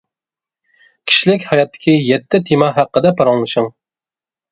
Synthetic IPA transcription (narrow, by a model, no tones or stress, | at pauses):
kʲʰi̥ʃlɪkʲhɑjɑt̪ːɪ̥kʲʰijɛt̪ʰːɪt̪ʰimɑɦæqːəd̪ɛpʰɑɾɑŋlˠɨʃɨŋ